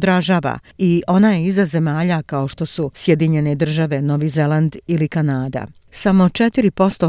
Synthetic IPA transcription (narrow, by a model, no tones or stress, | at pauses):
d̪ɾaʒaːʋa̰ | iʔo̞najeizaze̞maːʎakao̞ʃt̪o̞susje̞d̪iɲe̞ne̞d̪r̩ʒaʋe̞no̞ʋizeland̪ilikanaːd̪a̰ | samo̞t͡ʃe̞t̪iɾipo̞st̪o̞